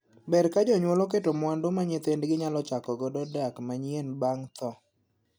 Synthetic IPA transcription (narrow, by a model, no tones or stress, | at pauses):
bɛɾkad͡ʒɔɲwolok̬etomwandʊmaɲɪt̪endɡɪɲalɔt͡ʃakɔɡɔdɔdakmaɲienbaŋt̪ɔ